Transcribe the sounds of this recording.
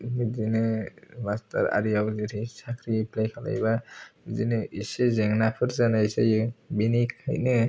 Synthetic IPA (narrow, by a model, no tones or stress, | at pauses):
nizinɯmasta̰ɾa̰ɾijawziɾisʰakʰɾipʰlajkʰala̰jbazinɯʔisezɛŋnapʰɯɾzanajsajɯbinikʰa̰jnɯ